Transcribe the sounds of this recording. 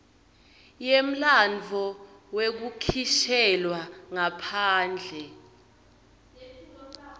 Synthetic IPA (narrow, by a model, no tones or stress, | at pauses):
jem̩land͡vʱɔwek̬ukʰiʃɛlwaŋapʰaːnd͡ɮʱɛ